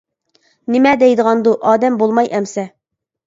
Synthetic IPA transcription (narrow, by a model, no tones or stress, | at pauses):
nɪmɛd̪ɛjd̪əʁɑnd̪uʔɑːd̪ɛmbolˠmɑjʔɛmsɛ